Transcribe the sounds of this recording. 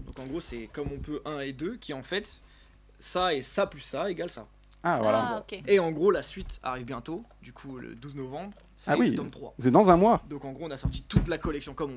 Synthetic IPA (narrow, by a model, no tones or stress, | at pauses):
d̪ɔ̃kɑ̃ɡʁosɛkɔmɔ̃pøʔɛ̃ed̪økʲiɑ̃fɛt̪ | saesaplysaeɡalsa̰ | ava̰lakeeɑ̃ɡʁolasɥit̪a̰ʁivbjɛ̃t̪od̪ykʰulə̰d̪uznɔvɑ̃bʁ | sawit̪ɔ̃mt̪χwa̰sɛd̪ɑ̃zɛ̃mwad̪ɔ̃kɑ̃ɡʁoɔ̃nasɔʁt̪it̪ut̪lakɔlɛksjɔ̃kɔmɔ̃